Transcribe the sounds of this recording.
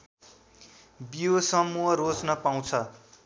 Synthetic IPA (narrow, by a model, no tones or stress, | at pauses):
bijosʌmuɦʌɾod͡znʌpaw̃t͡sʰʌ